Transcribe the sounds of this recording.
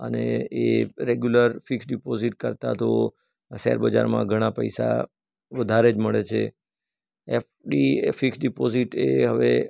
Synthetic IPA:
ə̰neeɾeɡjuləɾfiksɖipoziʈ̚kəɾt̪at̪o | sɛ̰ɾbəd͡ʒa̰ɾmã̰ɡʱəɽ̃apə̰jsa̰ | ʋəd̪ʱaɾed͡ʒməɭet͡ʃʰḛ | efɖifiksɖipoziʈeɦəʋe

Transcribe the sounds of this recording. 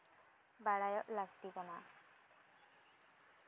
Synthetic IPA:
baɽajɔʔlaɡt̪ikana

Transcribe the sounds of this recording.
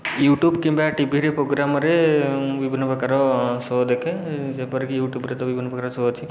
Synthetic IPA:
juʈjubkimbaʈibʱiɾepɾoɡɾamɾebibʱinːpəkaɾɔsod̪ekʰed͡ʒepɔɾkijuːʈjubɾet̪ɔʋibʱinːpɐkaɾɔsoːd̪t͡ʃʰi

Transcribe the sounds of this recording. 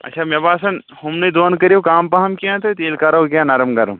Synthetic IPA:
ɐ̰tːʃʰaːmɐbaːsɐn | humnɐd̪oːnkɐɾiokaːmpɐɦɐmkijãt̪ʰɐt̪eːlkaːɾɐkijãnɐɾɐmɡɐɾɐm

